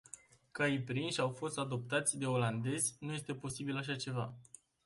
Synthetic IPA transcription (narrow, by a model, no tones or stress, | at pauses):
kaipɾinʃʲawfo̞st̪ad̪o̞p̚t̪at̪sʲd̪e̞o̞land̪e̞zʲnuje̞st̪e̞po̞sibilaʃ̬at͡ʃe̞va̰